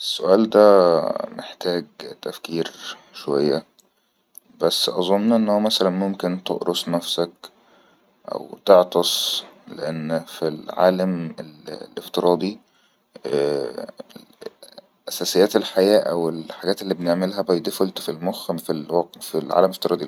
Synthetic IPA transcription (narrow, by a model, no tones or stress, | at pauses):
ʔesːoʔæːld̪æmḛħt̪æːɡt̪æfkiːɾʃowæjːæ̰ | bæsːʔɑzˤonːʔenːhowæmæsælænmomkent̪o̰ʔɾosˤnæfsæk̚ | ʔæ̰wt̪eʕt̪ɑsˤlḛʔænːfilʕa̰ːlæmellʔeft̪eɾˤʔɑːd̪ˤi | ʔæsæːsejːæːt̪elħajæːʔæwelħaɡæːt̪elːiːbeneʕmelɦæbɑjd̪ifolt̪filmoxæmfilwɑqfilʕa̰læmeleft̪eɾɑːd̪ˤi